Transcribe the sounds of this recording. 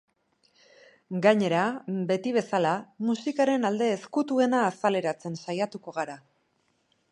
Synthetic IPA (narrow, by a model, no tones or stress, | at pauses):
ɡaɲe̞ɾabe̞t̪iβ̞e̞salamusikaɾe̞nald̪e̞ːskut̪ue̞naːsale̞ɾat͡se̞nsajat̪uko̞ɣ̞aɾa